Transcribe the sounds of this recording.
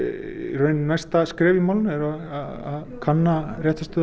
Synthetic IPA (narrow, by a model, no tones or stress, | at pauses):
rœɥnnajst̪askɾɛːvimawlʏnɛɾaaa̰ð | kʰanːarjɛht̪ast̪ʏ